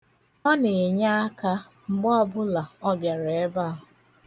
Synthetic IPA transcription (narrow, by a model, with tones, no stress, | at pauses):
ɔ˦ne˨e˨ɲa˦a˦ka˦ | ŋ͡m̩˨ɡ͡bɔ˦ɔ˦bʊ˦la˨ɔ˦bja˨ɾe˨e˦ba˦ɦʊ˨